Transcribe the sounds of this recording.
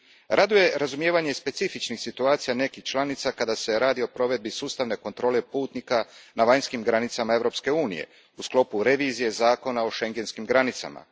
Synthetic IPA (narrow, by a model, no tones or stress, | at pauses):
ɾʔad̪uje̞ɾazumje̞ːʋaɲe̞spe̞t̪sifit͡ʃnixsit̪uaːt̪sijane̞kixt͡ʃlˠanit̪sakad̪ase̞ɾaːd̪io̞pɾo̞ʋe̞d̪̚bisuːst̪aʋne̞ko̞nt̪ɾo̞ːle̞puːt̪nikanaʋaɲskimɡɾanit̪samae̞vɾo̞pske̞uːnḭje̞̰ | usklo̞puɾe̞ʋiːzije̞zaːko̞nao̞ʃe̞ŋɡe̞nskimɡɾanit̪sa̰ma̰